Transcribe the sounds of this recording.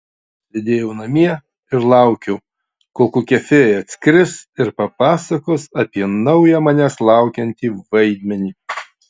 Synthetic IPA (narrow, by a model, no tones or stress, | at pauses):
sʲed̪ʲeːjɛʊnɐmʲiɛ | ɪɾlˠɐˑʊkʲɛʊ | koːkuːkʲɛfʲeːɐt̪ʲsʲkɾʲɪsɪɾpɐpɑːsɐkoːsɐpʲiɛnɐʊjæːmɐnʲæslˠɑˑʊkʲɛnʲt̪ʲiːʋɐɪd̪ʲmʲɛnʲiː